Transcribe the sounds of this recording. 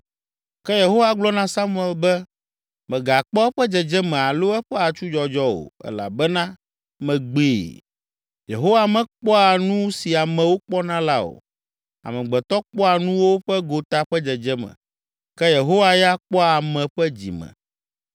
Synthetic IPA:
kɛ˦je˨ɦo˦wa˦ɡ͡blɔ˦nã˦sa˦mu˦ɛ˨lbɛ˦ | mɛ̃˨ɡa˨k͡pɔ˦ɛ˦ɸɛ˦d͡ʒɛ˨d͡ʒɛ˦mɛ̃˨a˨lo˦ɛ˦ɸɛ˦a˨t͡ʃu˦d͡ʒɔ˨d͡ʒɔ˦o̰˨ɛ̰˦la̰˨bɛ˦nã˦ | mɛ̃˨ɡ͡beː˦˨ | jḛ˨ɦo˦wa˨mɛ̃˦k͡pɔ˦a˨nũ˦si˨a˨mɛ̃˨wo˦k͡pɔ˦nã˦la˦o̰˨ | a̰˨mɛ̃˨ɡ͡bɛ˨t̪ɔ˦k͡pɔ˦a˨nũ˦wo˦ɸɛ˦ɡo˨t̪a˦ɸɛ˦d͡ʒɛ˨d͡ʒɛ˦mɛ̰̃˨ | kɛ˦je˨ɦo˦wa˦ja˦k͡pɔ˦a˨mɛ̃˨ɸɛ˦d͡ʑḭ˨mɛ̰̃˨

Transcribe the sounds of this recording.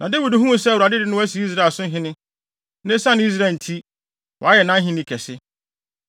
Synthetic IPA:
nʔã˨de˦wi˨dɦũ˦mũ˦sɛ˦˨u˨ɾa˨dɪ˦dɪ˦nʊ̃˦wæ˦s̬i˨˦i˦s̬ɾa˦˨sʊ̃˦ɦɪ̃˦nɪ̃˦ | nɛ̃˦sã˦ñ˨˦i˦s̬ɾa˨n̩˨tʰi˦ | wʔɔ̰˨a˦jɛ˨nã˦ɦɪ̃˦nɪ̃˦kʰɛ˨sɪ˦

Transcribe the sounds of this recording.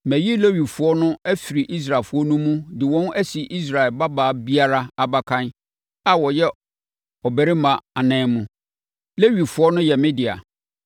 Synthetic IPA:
mæ̃˨ji˦le˦ɥi˨fʊ˨˦ɔ˦nʊ̃˦æ˦fi˨ɾi˨ʔi˦s̬ɾa˨fʊ˦ɔ˦nũ˦mũ˦dɪ˨wɔ̃˦næ˦si˨ʔi˦s̬ɾa˨ɛ˨lba˦baː˨˦bi˦a˦ɾa˦a˨ba˨kʰã˦n | a˨wɔ˨jɛ˦ | ɔ˨bɛ˨ɾi˦mã˨a˨nɛ̃ː˦mũ˨ | le˦ɥi˨fʊ˨˦ɔ˦nʊ̃˦jɛ˨mɪ̃˦di˨a̰˨

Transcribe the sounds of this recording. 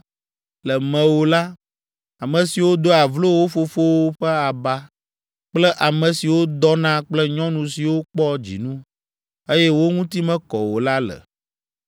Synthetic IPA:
lɛ˨mɛ̃˨wo˨la˦ | a˨mɛ̃˨si˨wo˦d̪o˦a˨vlo˦wo˦fo˨fo˦wo˦ɸɛ˦a˨ba˦ | k͡plɛ˦ʔa˨mɛ̃˨si˨wo˦d̪ɔ˦nã˦k͡plɛ˦ɲɔ̃˦nũ˨si˨wo˦k͡pɔ˦d͡ʑḭ˨nũ˦ | e˦jɛ˦wo˦ŋũ˦t̪i˦mɛ̃˦kɔ̰˨wo˨la˦lɛ̰˨

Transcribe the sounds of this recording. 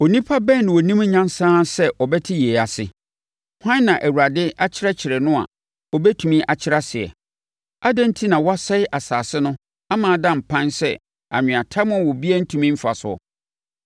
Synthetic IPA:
o˨nĩ˦pʰa˦bɛ̃˦˨n˨wɔ˨nĩ˦m˦ɲã˦n˦sãː˦sɛ˦ʔɔ˨bɛ˦tʰɪ˦jeː˨a˨sɪ̰˨ | hã˦n˦nã˨ʔæ˨wu˨ɾa˨dɪ˦ʔa˦t͡ɕʰɪ˦ɾɛ˦t͡ɕʰɪ˨ɾɛ˨nʊ̃˦a̰˨ | ɔ˨bɛ˦tʰu˨mĩ˦ʔa˨t͡ɕʰɪ˦ɾa˦sɪ˨ɛ̰˨ | a˦dɛ̃˦n̩˦tʰi˦nã˨wɔ˦a˦sɛ˦ɪ˦ʔa˨saː˨sɪ˦nʊ̃˦ | a˦mãː˨dã˦˨m̩˨pʰã˦nsɛ̰˦ | a̰˨ɲɪ̃˨a˨tʰa˦mʊ̃˦˨wɔ˨bi˦ɛ˦n̩˦tʰũ˨mĩ˦m̩˦fa̰˨sʊ̰˨˦ɔ̰˨

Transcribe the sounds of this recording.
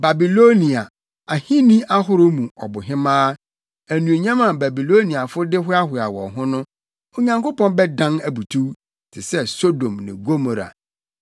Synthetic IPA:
ba˨bi˨lo˦nĩ˨a˨ | a˨hĩ˦nĩ˦ʔa˦ɦʊ˦ɾʊ˦mũ˨ɔ̰˨bʊ˨ɦɪ̃˦mãː˦ | æ˨nũ˨e˨ɲã˦mã˨ba˨bi˨lo˦nĩ˨a˨fʊ˦dɪ˦ɦʊ˦a˦hʊ˨a˨wɔ̰˨ɦʊ̃˦nʊ̃˦ | o˨ɲã˨ŋko˦pɔ̃˦nbɛ˦dã˦næ˨bu˨tʰu˦ | tʰɪ˨sɛ˦so˦dõ˨mnɪ̰̃˨ɡo˦mo˨ɾa̰˨

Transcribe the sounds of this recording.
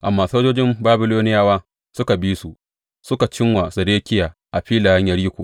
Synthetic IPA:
ʔa˨mːaː˦soː˦d͡ʒoː˦d͡ʒɪ˦mbaː˦bɪ˦loː˦nɪ˦jaː˦waː˦ | sʊ˦ka˨biː˦su˨ʔ | sʊ˦ka˨t͡ʃɪ˦ŋwa˨sɐ˨ɾeː˦kʲɪ˦jaː˨ʔa˨ɸiː˦laː˨jɐ˦ɲjɐ˨ɽiː˦kʷoː˨

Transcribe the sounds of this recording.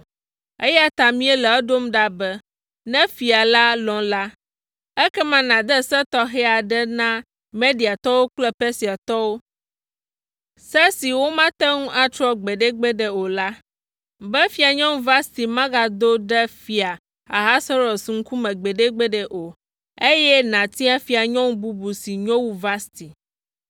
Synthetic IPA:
ɛ˦ja˦t̪a˨mĩ˦ɛ˦lɛ˨ɛ˦ɖo˦mɖa˦bɛ˦ | nɛ̃˦fi˨a˨la˦lɔ̃˨la˦ | ɛ˦kɛ˦mã˨nã˨d̪ɛ˦sɛ˦t̪ɔ˦ɦɛ˦a˨ɖɛ˦nã˦ | me˦di˨a˨t̪ɔ˦wo˦k͡plɛ˦pɛ˦si˨a˨t̪ɔ˦wo˦ | sɛ˦si˨wo˦mã˦t̪ɛ˦ŋũ˦ʔa˦t͡ʃ̪ɾɔ˦ɡ͡be˨ɖɛ˦ɡ͡bɛ˦ɖɛ˨o˨la˦ | bɛ˦fi˨a˨ɲɔ̃˦ŋũ˦va˦st̪i˨mã˦ɡa˨d̪o˦ɖɛ˦fi˨a˨ | a˨ɦa˦sɔ˦ɾo˨sŋ̩˦ku˦mɛ̃˨ɡ͡bɛ˨ɖɛ˦ɡ͡bɛ˦ɖɛ˨ʔo˨ | e˦jɛ˦nã˨t̪i˦a˦fi˨a˨ɲɔ̃˦ŋũ˦bu˦bu˨si˨ɲɔ̃˦wu˦va˦st̪i˨

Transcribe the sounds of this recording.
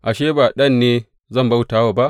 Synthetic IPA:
ʔa˨ʃeː˦ba˨ɗɐ˦˨nːeː˦ | zɐ˦˨mba˦wtaː˦waː˨ba˦ʔ

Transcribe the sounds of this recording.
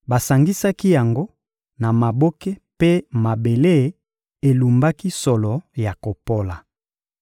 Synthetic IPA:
ba˨sa˨ŋɡi˦sa˦ki˦ja˨ŋɡo˦ | na˨ma˨bo˦ke˦pe˦ma˨be˨le˦˨ | e˨lu˨mba˦ki˦sɔ˨lɔ˨ja˨ko˨po˦la˨

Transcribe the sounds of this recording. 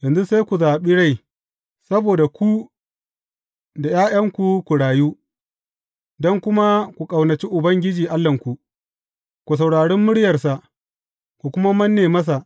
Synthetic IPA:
jɐ˨nzu˦sa˦jkʷu˨zaː˨ɓiː˦ɽa˦˨j | sɐ˦boː˨da˨kʷu˦ | da˨jaː˦jɐ˦ŋkʷu˨kʷu˨ɽaː˨ju˦ | dɔ˦ŋkʷʊ˦ma˦kʷu˨kʼa˨wnɐ˨t͡ʃiː˦ʔʊ˨bɐ˦ŋɡʲɪ˦d͡ʒiː˨ʔa˦lːɐ˨ŋkʷu˨ʔ | kʷu˨s̬a˨wɽaː˨ɽɛ˦mːʊ˦ɽjɐ˨rsa˨ʔ | kʷu˨kʷʊ˦ma˦mɐ˦nːeː˨mɐ˦s̬a˨ʔ

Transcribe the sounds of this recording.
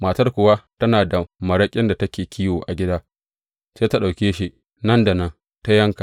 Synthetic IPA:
maː˨tɐ˦rkʷʊ˨wa˦tɐ˦naː˨da˨mɐ˨ɽɐ˦kʲʼɪ˦nda˨tɐ˦kʲeː˨kʲʰiː˦woː˨ʔa˨ɡʲɪ˦daː˦ | seː˦ta˦ɗa˨wkʲeː˦ʃi˦ | nɐ˦nda˨nɐ˦n | ta˦jɐ˦ŋka˨

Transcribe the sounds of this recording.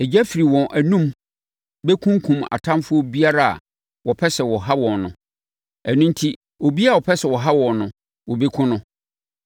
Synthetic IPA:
ɛ˨d͡ʑæ˦fi˨ɾi˨wɔ̃˨nʔæ˨nũ˦m | be˦kʰũ˦ŋ˦kʰũ˨ma̰˨tʰã˦mfʊ˦ɔ˦bi˦a˦ɾa˦a̰˨ | wɔ˨pʰɛ˦sɛ˨wɔ˨ɦa˦wɔ̃˨nnʊ̰̃˨ | æ˨nũ˦ntʰi˦ | wo˨bi˦a˨wɔ˨pʰɛ˦sɛ˨wɔ˨ɦa˦wɔ̃˨nnʊ̃˨ | wɔ˨be˦kʰʊ̃˦nʊ̃˦

